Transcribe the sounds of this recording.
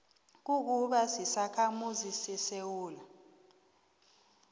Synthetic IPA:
k̬uk̬uɓasisakʰamuzisisewuːla

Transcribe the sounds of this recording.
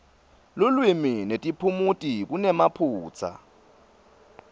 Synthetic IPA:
lʊlwiminetʼipʰumutʼik̬unɛmapʰuːt͡sʰa̰

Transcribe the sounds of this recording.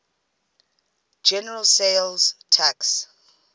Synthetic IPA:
d͡ʒɛnɛɹalsejlztʰaks

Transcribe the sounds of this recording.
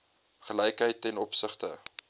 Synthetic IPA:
χəlɛjkɦəjtɛnɔpsəχtə

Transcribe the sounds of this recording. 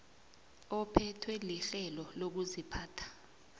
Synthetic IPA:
ɔpʰɛtʰwɛliɬɛlɔlok̬uzipʰaːtʰḁ

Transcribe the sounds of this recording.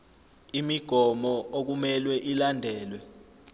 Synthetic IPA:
imiɡ̥ʱɔmɔok̬umɛlwɛʔilandʱɛːlwɛ

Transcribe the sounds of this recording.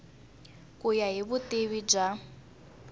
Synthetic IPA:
kʼujaɦiβuteβid͡ʒa

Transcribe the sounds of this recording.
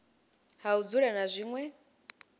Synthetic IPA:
haud͡zuɺanazʷiŋwɛ

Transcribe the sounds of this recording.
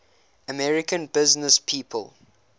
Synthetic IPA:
əmɛɹɪkə̃nbɪznəspʰiːpʰə̰lˠ

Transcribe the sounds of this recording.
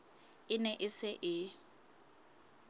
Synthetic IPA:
ɪnɛʔɪsɪʔɪ

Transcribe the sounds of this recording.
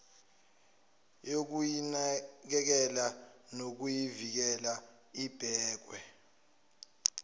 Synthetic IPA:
jok̬ujinak̬ɛk̬ɛlanok̬ujivik̬ɛla | ib̥ʱɛːk̬wɛ

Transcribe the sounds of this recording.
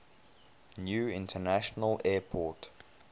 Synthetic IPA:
njuːɪ̃ntʰənaʃənəlɛːpʰɔˑt

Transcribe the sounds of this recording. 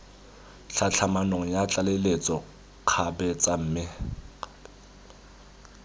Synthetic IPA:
ɬʰat͡ɬʰamanoŋ̩jat͡ɬʼalelet͡sʼɔ | q͡χʰabɛt͡sʼam̩ːmɪ

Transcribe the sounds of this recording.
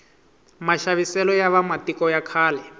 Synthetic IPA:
maʃaβisɛlɔjaβamatikɔjakʰaːlɛ

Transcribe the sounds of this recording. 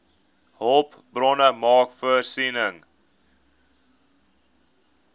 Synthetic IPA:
hɔlˠp | brɔnəmɑːkfəərsinəŋ

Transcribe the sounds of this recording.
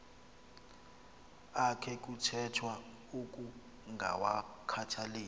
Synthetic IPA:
akʰɛk̬ʼutʰɛtʰwa | ukʼu | ŋɡʱa̰wakʰatʰaleː

